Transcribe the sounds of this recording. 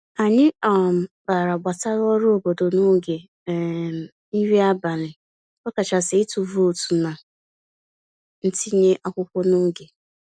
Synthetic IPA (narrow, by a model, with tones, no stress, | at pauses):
a˨ɲɪ˦ɔ˨m̩˨ba˨ɾa˨ɡ͡ba˨ta˦ɾɔ˦ɾo˦˨bo˨do˨no˦ɡe˨ | i˦ɾi˦a˦ba˨lɪ˨ | kɔ˦ka˨t͡ʃa˨sɪ˨ɪ˦tu˨vo˨tu˨na˨ | n̩˦ti˦ɲe˦ʔa˦kʷʊ˦kʷʊ˦no˦ɡe˨